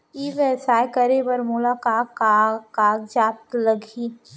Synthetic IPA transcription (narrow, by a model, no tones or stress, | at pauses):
iːʋɛːsaːjkəɾebəɾmʊlaːkaːkːaaːɡd͡ʒaːp̚t̪lɐɡʱiː